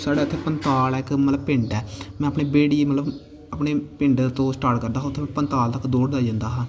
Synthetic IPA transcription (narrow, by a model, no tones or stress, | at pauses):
saːɽaːt̪ʰːeːpənt̪aːlɛːkmət̪ləbpɪ̃ɳɖɛːmɛ̃ːəpɳeːbeːɽiːmət̪ləb | əpɳeːpɪ̃ɳɖt̪õːsʈaːʈkəɾd̪aːɦʊt̪ʰːeːmɛ̃pənt̪aːlt̪əkd̪oːɽd̪aːd͡ʒãːnd̪aːɦãː